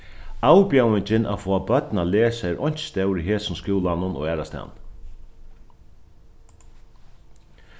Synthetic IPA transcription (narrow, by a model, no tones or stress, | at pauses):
aːwpjawɪɲt͡ʃɪnʔa̰fɔːabœt̪naleːsaɾʔɔ̰ɲ̥t͡ʃst̪ɛwɾiɦeːsʊnskɪwlanʊnɔ̰ɣɛːɾast̪a̰wn